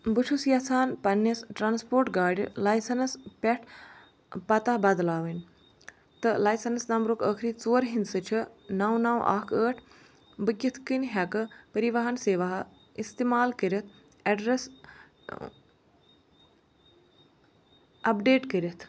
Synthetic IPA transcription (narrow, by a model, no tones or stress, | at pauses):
bɨt͡ʃʰusjɐt͡sʰaːnpɐnːisʈɾaːnspoːɾʈɡaːɖ̰ʲlaːjsɐnɐspʲɛʈʰ | pɐt̪abɐd̪laːʋənʲ | t̪ɨlaːjsɐnɐsnɐmbɾokəːkʰɾiːt͡soːɾɦinsɨt͡ʃʰinawnawʔa̰ːkʰəːʈʰ | bɨkʲːit̪ʰkɨnɦʲakɨpɐɾiʋɐɦɐnseːʋaɦ | ist̪eːmaːlkəɾɐt̪ʰ | ɐɖɾes | ɐpɖeːʈkəɾʲit̪ʰ